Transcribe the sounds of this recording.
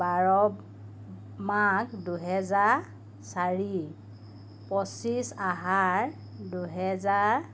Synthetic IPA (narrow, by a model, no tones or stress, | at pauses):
baɹɔ | makduɦɛzaɹ | saɹi | pɔsisaɦaɹ | duɦɛzaɹ